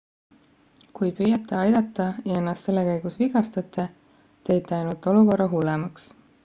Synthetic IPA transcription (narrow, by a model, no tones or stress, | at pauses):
kujpyːjɑt̪ːˑe̞ɑjd̪̥ɑt̪ˑːɑjɑe̞nːɑst̪se̞lːekæjɡ̥usviɡɑst̪ɑt̪ːˑe | t̪e̞jt̪ˑːeɑjnult̪ːˑo̞luko̞rːɑɦulːemɑks